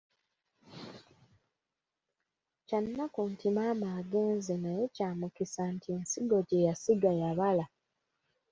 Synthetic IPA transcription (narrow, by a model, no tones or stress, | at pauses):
canːakuntimaːmaːɡe̞ːnzenaje̞caːmukisantʰieːnsiɡo̞ɟe̞jasiɡajaβala